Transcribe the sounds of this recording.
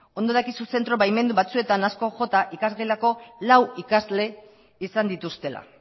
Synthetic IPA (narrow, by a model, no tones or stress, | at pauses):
o̞nd̪o̞ð̞akisuse̞nt̪ɾo̞βajme̞nd̪uβat͡sue̞t̪anasko̞ʝo̞t̪aʔikazɣejlako̞lawikazle̞ | isand̪it̪ust̪e̞la̰